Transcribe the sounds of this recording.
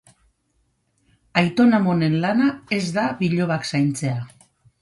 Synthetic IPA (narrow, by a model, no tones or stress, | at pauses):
ajt̪o̞namo̞ne̞nlanae̞zðaβiʎo̞β̞aksajnt͡se̞a